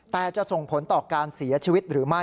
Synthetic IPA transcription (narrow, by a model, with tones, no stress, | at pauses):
t̪ɛː˨˩t͡ɕa˨˩ʔso˨˩ŋpʰo˩˦nt̪ɔː˨˩kaː˧nsi˩˦ɐt͡ɕʰiː˧wi˦˥t̪̚ɾɯː˩˦ma˥˩